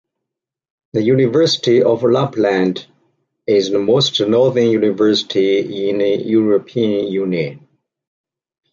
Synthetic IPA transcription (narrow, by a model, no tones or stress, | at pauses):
ðəjunɪvɜ˞sɪ̥tiɔvlaplæ̃nd | ɪzðəmoʊstnɔɹðə˞njunɪvɜ˞sɪ̥tʰiɪ̃nəjuɹəpʰiə̃njunjɨ̃n